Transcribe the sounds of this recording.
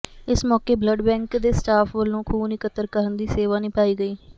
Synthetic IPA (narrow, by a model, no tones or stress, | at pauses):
ɪsmɔːkeːbləɖbɛ̃ːŋkd̪eːsʈaːfʋəlːõːkʰuːnɪkət̪ːəɾkəɾənd̪iːseːʋaːnĩːpaːiːɡəiː